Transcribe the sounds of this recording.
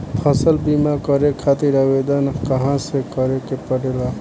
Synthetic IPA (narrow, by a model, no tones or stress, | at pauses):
pʰəsəlbimakəɾekʰat̪iɾəbed̪ənkəɦãsekəɾekepəɽela